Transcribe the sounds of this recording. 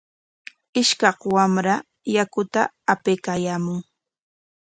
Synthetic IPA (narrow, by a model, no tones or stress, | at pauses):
ɪʃkɑχwamɾa | jakʊt̪a̰ː | pejkajaːmʊŋ